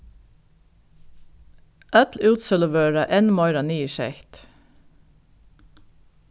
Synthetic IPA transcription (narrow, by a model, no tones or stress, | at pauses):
ʔœt̪lʉːt̪sœləʋøːɾəʔenmɔʏɾɑniːʃɛçt̪